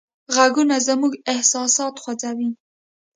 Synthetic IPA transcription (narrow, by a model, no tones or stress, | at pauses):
ɣaɡunazəmuɡɪhsɑsɑt̪xwad͡zawi